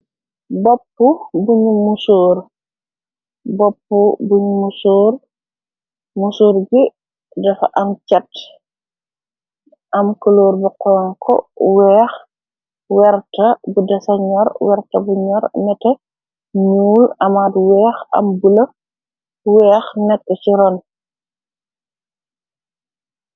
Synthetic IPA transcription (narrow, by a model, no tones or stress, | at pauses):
bɔpːubuɲumusoːr | bɔpːubuɲumusoːr | musoːɾɡi | dɐfʔɐmt͡ʃɐt | ʔɐmkɐloːɾbiqɔŋkʰɔ̰wɛːx | wɛɾtɐbudɐsɐɲɔɾwɛɾtɐbuɲɔɾmɛtɐ | ɲuːlɐmatwɛːxɐ̰mbulɐ | wɛːxnɛkːɔt͡ʃiɾɔn